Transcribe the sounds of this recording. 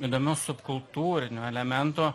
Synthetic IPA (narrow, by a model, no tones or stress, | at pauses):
id̪oːmʲɛʊsʊpkʊlˠt̪uːɾʲɪnʲoːɛlʲɛmʲɛnt̪oː